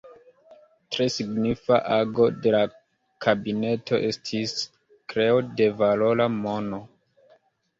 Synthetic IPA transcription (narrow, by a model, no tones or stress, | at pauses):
tɾe̞siɡnifa̰ʔaɡo̞de̞la | kʰabine̞tʰo̞ʔe̞stʰis | kɾe̞ode̞valo̞lamo̞no̞